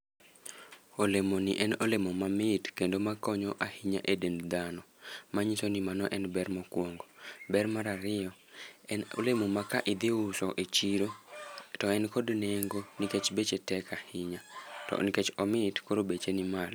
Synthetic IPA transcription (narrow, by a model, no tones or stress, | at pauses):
olemoniʔɛnolemomamɪtkendomakɔɲɔʔahiɲa̰ʔedend̪anɔmaɲisonimanɔʔɛnbɛrmɔkwoŋɡobɛrmaɾaɾɪɔɛno̰lemomakaʔid̪iusɔʔet͡ʃiɾotɔɛnkɔdneŋɡoniket͡ʃbet͡ʃetɛkahiɲatɔ̰nket͡ʃɔmɪtkoɾobet͡ʃenimal